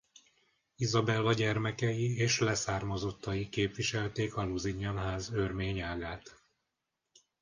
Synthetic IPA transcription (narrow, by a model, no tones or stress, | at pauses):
izɒbɛlvɒɟɛrmɛkɛjieːʃlɛsaːrmɒzo̞t̪ːɒjikeːpʋiʃɛlt̪eːkɒluziɲːɒnɦaːzørmeːɲaːɡaːt̪